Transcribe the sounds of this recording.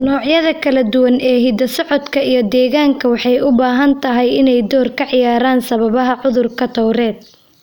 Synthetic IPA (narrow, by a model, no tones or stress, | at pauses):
nɔːʕjɐðɐkʰɐlɐd̪ʊwɐnɛːɦiːd̪ɐsɔʕɔd̪kʰɐijɞd̪ɛːɣaːŋkʰɐwɑħɑjʊbaːɦɐnt̪ʰɐɦɛjɪnɛjd̪ɔːrkʰɐʕɪjaːɾaːnsɐβɐβɐɦɐʕʊðʊrkʰɐt̪ʰɔwɾɛːd̪̚